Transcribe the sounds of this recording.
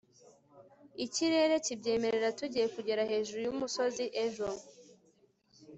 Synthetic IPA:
iciɾe̞ɾe̞cibɟe̞ːme̞ɾe̞ɾatuɟije̞kuɟe̞ɾahe̞ːʒuɾujumuso̞ziʔeʒo

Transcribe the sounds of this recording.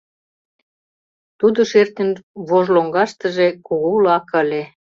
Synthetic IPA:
t̪ud̪oʃert̪ənβoʒloŋɡɑʃt̪ə̆ʒekuɣolɑkəlʲe

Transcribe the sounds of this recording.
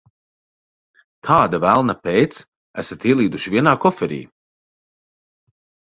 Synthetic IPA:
t̪ʰaːd̪avælˠnapɛjt̪s | æ̰sat̪iɛlˠiːd̪uʃivʲiɛnaːkɔfɛɾḭː

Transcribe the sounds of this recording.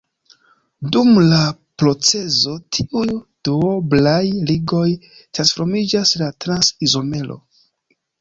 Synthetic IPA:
dumla | pɾo̞t͡se̞zo̞tʰiʔujd̥uoblajliɡo̞j | tɾansfo̞ɾmid͡ʒaslatɾansizo̞me̞lo̞̰

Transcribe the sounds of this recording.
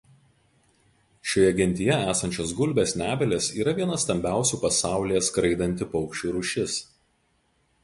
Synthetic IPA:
ʃʲoːjɛɡʲɪnʲt̪ʲɪjɛæːsɐnʲt͡ʃʲoːs̬ɡʊlʲbʲeːsnʲæːbʲɛlʲeːsiːɾɐʋʲiɛnɐst̪ɐmʲbʲæˑʊsʲuːpɐsɑˑʊlʲɪjɛskɾɐɪd̪ɐnʲt̪ʲɪpɒʊkʃʲt͡ʃʲuːɾʊʃʲɪs

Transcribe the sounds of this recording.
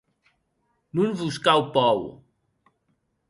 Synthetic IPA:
nunβuskawpɔw

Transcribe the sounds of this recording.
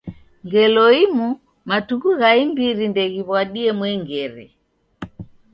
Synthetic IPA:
ŋɡɛlɔimu | matuɣuɣaimbiɾindɛɣiβwaɗiɛmwɛŋɡɛɾɛ̰

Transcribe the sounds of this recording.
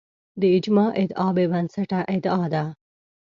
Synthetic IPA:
d̪əɪd͡ʒmɑʔɪd̪ɑbebɐnsaʈaʔɪd̪ɑːd̪a

